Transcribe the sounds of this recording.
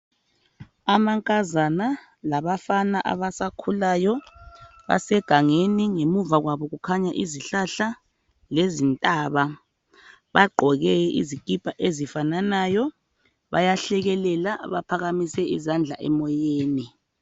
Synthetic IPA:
amaŋkʼazana | laβafanaʔa̰βasakʰulaːjɔ | βa̰sɛɡ̥ʱaŋeniŋemuvaɣwaβɔɣukʰaɲaʔiziɬaɬa | lezintʼaβa | βaɡ͡ǃʱɔɣɛḭziɡ̥ʱʼipʰʼaʔezifananajɔ | βa̰jaɬɛɣɛlɛlaβapʰaɣamisɛizand͡ɮʱa̰ʔɛmɔjeːni

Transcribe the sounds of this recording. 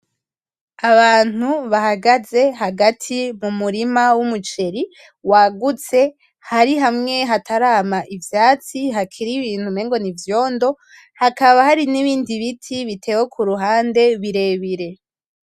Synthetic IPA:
aβaːn̥uβahaɡaze̞ɦaɡatʰimumuɾimawumut͡ʃe̞ɾi | waɡut͡se̞ | haɾiɦamŋe̞ɦatʰaɾaːmaʔivjaːt͡siɦakʰiɾiβiːn̥humeːŋɡo̞nivjo̞ːndo̞ | hakaβahaɾiniβiːndiβitʰiβite̞ːwekʰuɾuɦaːnde̞βiɾe̞ːβiɾe̞

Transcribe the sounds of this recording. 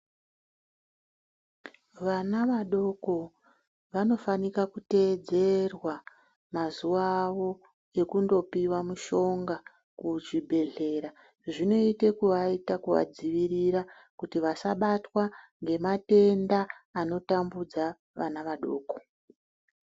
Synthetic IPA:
ʋanaʋaɗo̞ko̞ | ʋano̞fanikakute̞d͡ze̞rwa | mazuʋaʋo̞ | e̞kundo̞piwamuʃo̞ŋɡa | kuʐibʱe̞ɮe̞ɾa | ʐino̞ite̞kuʋaitakuʋa̰d͡ziʋiriɾa | kutiʋasaɓatwaŋɡe̞mate̞ndaːno̞tambud͡za | ʋa̰naʋaɗo̞ːko̞

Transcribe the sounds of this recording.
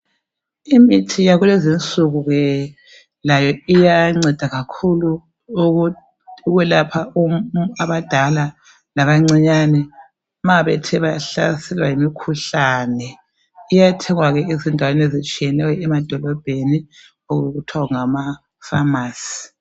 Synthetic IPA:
imitʰijaɣulezint͡sʼuɣuɣɛ | lajɔijaŋ͡ǀɛd̥ʱaɣakʰulu | uɣwɛlapʰauaβad̥ʱala | laβaŋ͡ǀiɲanɛ | maβɛtʰɛβaɬa̰sɛlwajimikʰuɬanɛ | ijatʰɛŋwaɣɛezindʱawanezit͡ʃʼijɛnɛwɛɛmad̥ʱɔlɔb̥ʱeni | oɣɣutʰwauŋama | famaːsi̥

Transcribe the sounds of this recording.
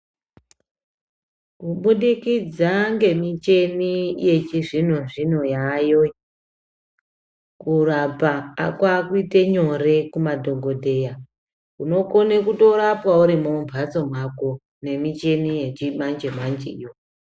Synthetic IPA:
kuɓuɗikid͡zaŋɡe̞mit͡ʃe̞nije̞t͡ʃiʐin̤oʐin̤ojajo | kurapa̰ːkwakuiteɲore̞kumadʱoŋɡo̞dʱe̞ja | kuno̞konekuto̞ɾapwauɾimomuvʱat͡so̞mwako | ne̞mit͡ʃe̞nije̞t͡ʃimand͡ʒemand͡ʒḛjo

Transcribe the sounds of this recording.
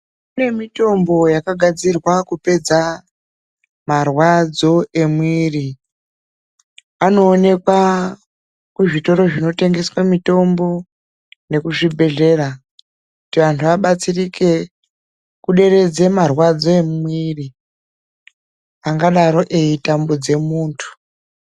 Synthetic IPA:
kune̞mito̞mbo̞jakaɡʱad͡zirwakupe̞d͡za | marwad͡zo̞e̞mwiri | ano̞ːne̞kwa | kuʐito̞ɾo̞ʐino̞te̞ŋɡe̞swamito̞mbo̞ | ne̞kuʐibʱe̞ɮe̞ra | kutiʋantʰuʋaɓat͡sirike̞ | kuɗe̞re̞d͡ze̞marwad͡zo̞emwiri | aŋɡaɗaɾo̞ʔe̞itambod͡ze̞muːntʰu̥

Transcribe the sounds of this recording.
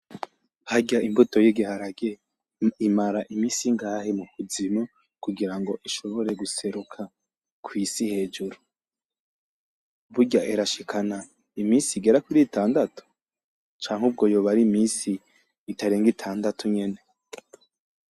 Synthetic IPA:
haɟaimbuto̞jiɡihaɾaɡe | imaɾaʔimiːsiŋɡaːhemuhuzimo | kuɡiɾaŋɡo̞ʔiʃo̞βo̞ɾe̞ɡuse̞ɾukʰa | kwiːsihe̞ːd͡ʒuɾu | βuɟaʔeɾaʃikʰana | imiːnsiɡe̞ɾakuɾiːtʰaːndatʰu̥ | t͡ʃaːŋ̥hub̚ɡo̞joːβaɾimiːsiː | tʰaɾeːŋɡitʰaːndatʰuɲe̞ne̞

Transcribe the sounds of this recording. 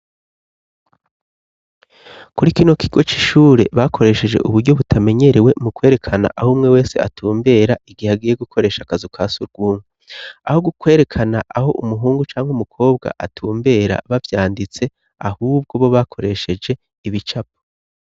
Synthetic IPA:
kuɾikino̞kiɡo̞t͡ʃiʃuːɾe̞βakʰo̞ɾe̞ʃe̞d͡ʒe̞̰ʔuβuɾɟo̞βutʰame̞ɲe̞ɾewe̞mukwe̞ɾe̞kʰana̰ʔahumŋe̞we̞ːse̞̰a̰tʰuːmbe̞ːɾaiɡihaɡije̞ɡukʰo̞ɾe̞ːʃakazukʰaːsuɾɡ̥uːŋɡu | aho̞ɡukwe̞ːɾe̞kʰanaʔaho̞̰ʔumuɦuːŋɡut͡ʃaːŋɡumukʰo̞ːbɡa̰ʔatʰuːmbe̞ːɾa̰βavjaːndit͡se̞ | a̰huːb̚ɡo̞βo̞βakʰo̞ɾe̞ʃe̞d͡ʒe̞ | iβit͡ʃap̚o̥

